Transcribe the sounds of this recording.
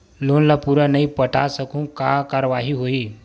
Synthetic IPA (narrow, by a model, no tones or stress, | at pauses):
lonlapuɾanəipəʈʰa̰səkũːŋkakaɾʋaɦiːɦoiː